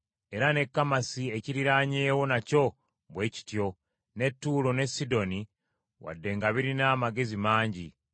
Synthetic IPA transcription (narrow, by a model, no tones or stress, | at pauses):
e̞ɾane̞kːamasie̞ciɾiɾaɲeːwo̞naco̞ | βwe̞ːci̥tjo̞ | ne̞tːuːlo̞ne̞sido̞ni | wa̰dːe̞ŋɡaβiɾinaːmaɡe̞zimaːɲɟi